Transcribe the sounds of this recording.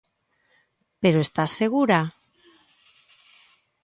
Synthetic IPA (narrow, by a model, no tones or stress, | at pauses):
peɾoest̪asːeɣuɾa